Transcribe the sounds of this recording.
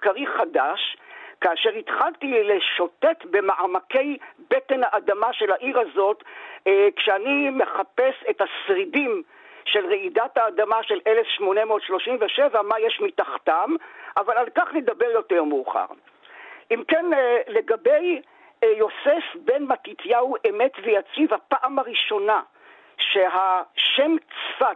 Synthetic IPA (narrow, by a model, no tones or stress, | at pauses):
kaʁiχadaʃkaːʃe̞ʁitχaltileʃo̞te̞tbe̞maʔamake̞jbete̞nhaʔːdamaʃe̞laʔiʁazo̞tː | kʃeanime̞χape̞setasʁidim | ʃe̞lʁeidathaːdamaʃe̞lʔe̞lefʃmo̞nemoːtʃlo̞ʃimveʃe̞vamajeʃmitaχtamʔavalalkaχnedabe̞ʁjo̞teʁmuːχa̰ʁ | ʔimkenle̞ɡabej | jo̞se̞fbe̞nmatitjauʔeme̞tvejat͡sivhapaʔamaʁiʃo̞na | ʃeɦaʃe̞mt͡sfa